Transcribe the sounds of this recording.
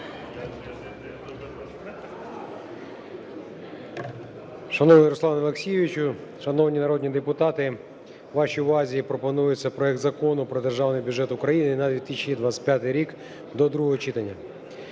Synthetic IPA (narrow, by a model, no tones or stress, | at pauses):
ʃɐnɔnʲjɐɾɔslˠɑnlˠeksʲijeʋʲit͡ʃʊ | ʃɐnɔʋnʲinɐɾɔdʲnʲid̪epʊt̪ɑt̪ɪ | ʋɑʃiʋɑzʲiipɾɔpɔnujʊt͡sʲːɐpɾɔɛkt̪zɐkɔnʊpɾɔd̪erʒɑwnɪjbʲjʊd͡ʒɛt̪ʊkɾɐjinɪnɐd̪ʲʋʲit̪isʲt͡ʃʲid̪ʋat͡sʲɪ̥pʲjat̪ɪjɾʲik | d̪ɔd̪ɾuɦɔɦɔt͡ʃit̪ɐnʲːɐ